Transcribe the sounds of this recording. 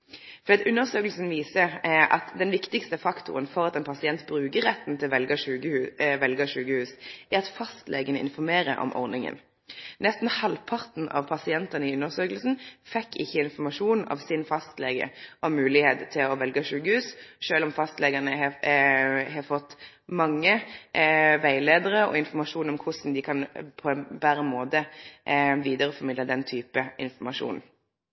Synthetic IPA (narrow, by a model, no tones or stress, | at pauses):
ffɔd̪iːɑt̪ʉnːəʁsøːkəlsn̩ʋiːsəɾɑ̰t̪d̪ɛnʋɪkt̪ɪkst̪əfɑkt̪ʊ̰ʁənfɔʁɑt̪ɛnpʰɑsɪɛnt̪bɾʉːkəʁːɛt̪ːn̩t̪ʰɪlʋɛlɡəʃʉːɡəʉʋɛlɡəʂʉːkəhʉːsʔæɾʁɑt̪fɑst̪lḛːɡənəʔɪ̰nfɔʁmeːɾə̰ʔɔ̰mʔɔ̰ʁnɪŋə̰n | nɛst̪n̩hɑlpʰɑʁt̪n̩ɑ̰ʋpʰɑsɪɛnt̪ɑnəɪʉnːəʁsøːkəl̩sn̩fɛkːɪçːəɪnfɔmɑʂuːnɑ̰ʋsɪnfɑst̪leːɡə̰ʔɔmmʉːlɪheːt̪t̪ʰːɪlɔʋɛlɡəʂʉːkəhʉːsʃøːlɔmfɑst̪lɛɡənəɦɛ | ɦɑfɔt̪ː | mɑŋːə | ʋæɪleːd̪əʁəɔ̰ɪnfɔɾmɑʂuːnɔmkʰʊsn̩d̪ɪkʰɑnpʰɔɛnbæʁəmoːd̪ə | ʋiːd̪əʁəfɔɾmɪd̪ləd̪ɛnt̪ʰyːpəɪnfɔmɑʂṵːn